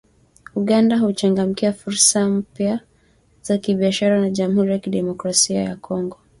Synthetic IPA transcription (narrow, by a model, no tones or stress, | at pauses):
uɠandahut͡ʃaŋɡam̩kiafuɾsam̩pja | z̥akiɓiaʃaɾanaʄamuhuɾijakiɗɛmɔkɾasiaja̰kɔŋɡɔ